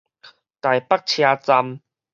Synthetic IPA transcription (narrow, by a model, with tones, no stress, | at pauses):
t̪a˨˩jpa˦k̚t͡ɕʰjaː˧t͡sa˧m